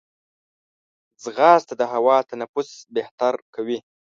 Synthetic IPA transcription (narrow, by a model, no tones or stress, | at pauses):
d͡zɣɑːst̪ad̪əɦawɑt̪anapusbeht̪aɾkawi